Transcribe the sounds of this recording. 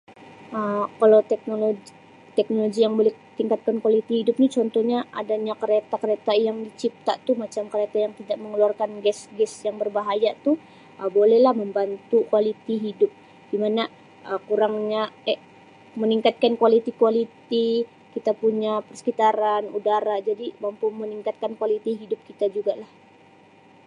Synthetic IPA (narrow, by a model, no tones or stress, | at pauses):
ʔəmkalawt̪ɛk̚noloɡ | t̪ɛk̚noloɡijaŋbolɛ | t̪iŋkat̪̚kankwalit̪ihidʊp̚nit͡ʃɔnt̪ɔhɲaʔadaɲakəɾet̪akəɾet̪ajaŋdit͡ʃip̚t̪a̰t̪umat͡ʃamkəɾet̪ajaŋt̪idaʔməŋəluarkanɡɛsɡɛsjaŋbərbaɦajat̪u | ʔəbolɛhlahməmbant̪ukualit̪iɦidʊp̚ | d̥imana | ʔəkuɾaŋɲaɛ | məniŋkat̪̚kankualit̪ikualit̪i | kit̪apuɲapərsə̥kit̪aɾanudaɾad͡ʒadimampʊməniŋkat̪̚kankualit̪iɦidʊp̚kit̪ad͡ʒuɡalah